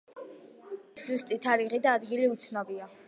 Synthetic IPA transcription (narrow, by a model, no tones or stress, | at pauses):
szust̪ʼit̪ʰaɾiʁid̪aːd̪ɡiliut̪sʰnɔbia